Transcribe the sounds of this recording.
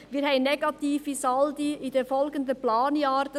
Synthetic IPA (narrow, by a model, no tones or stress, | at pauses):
ʋiːɾhɛɪnːɛɡɑt̪iːfisɑldiɪd̥efɔlɡənd̪əplɑːnjɑːɾdə